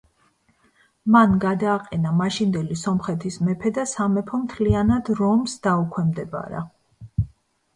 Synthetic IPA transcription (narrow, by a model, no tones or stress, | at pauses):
manɡad̪aːqʼɛnamaʃind̪ɛlisɔmχɛt̪ʰismɛpʰɛd̪asamɛpʰɔmt̪ʰlianad̪ɾɔmsd̪aukʰwɛmd̪ɛba̰ɾa̰